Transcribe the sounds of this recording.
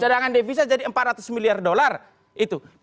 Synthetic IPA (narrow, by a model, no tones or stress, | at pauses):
t͡ʃadaŋandefis̬ad͡ʒadiəmpat̪̚rat̪ʊ̥smiliardolar | ʔit̪u